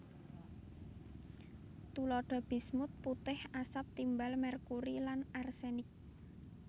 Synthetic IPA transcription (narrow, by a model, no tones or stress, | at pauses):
t̪ulɔɖ̥ɔ̤b̥i̤smʊt̪̚put̪ɪhasap̚t̪imbalmɛrkuɾilanarsenɪk̚